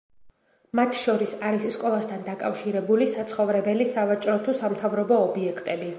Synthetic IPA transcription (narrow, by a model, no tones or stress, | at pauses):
mat̪ʰʃɔɾisaɾisskʼɔlˠast̪ʰand̪akʼa̰fʃiɾɛbulisat̪sʰχɔvɾɛbɛlisavat͡ʃʼɾɔt̪ʰusamt̪ʰavɾɔbɔːbiɛkʰt̪ʼɛbi